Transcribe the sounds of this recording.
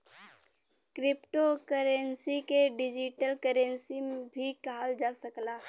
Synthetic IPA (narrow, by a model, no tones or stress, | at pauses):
kɾɪpʈokəɾənsikeɖɪd͡ʒiʈəlkəɾə̃nsimebʱikald͡ʒaːsəklaː